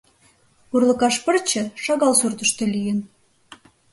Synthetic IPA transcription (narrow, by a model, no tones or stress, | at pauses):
urlə̆kɑʃpərt͡ɕə̆ʃɑɣɑlsurt̪əʃt̪ə̆lijən